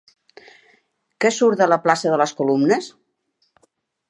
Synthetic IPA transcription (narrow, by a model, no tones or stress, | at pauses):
kɛsuɾt̪ələplasəðələskulumnəs